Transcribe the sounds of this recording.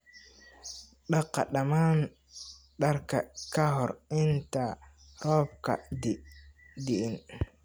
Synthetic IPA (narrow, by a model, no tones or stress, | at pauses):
ɗaqːa̰ɗaman | ɗaɾkakaɦɔɾinta | ɾɔːb̚ka̰di | diʔin